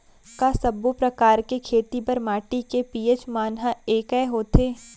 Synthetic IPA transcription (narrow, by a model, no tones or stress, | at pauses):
kaːsɐbːopɾɐkaːɾkekʰeːt̪ipɐɾmaːʈikepiːet͡ʃmaːnɦaeːkɛːɦoːt̪ʰeː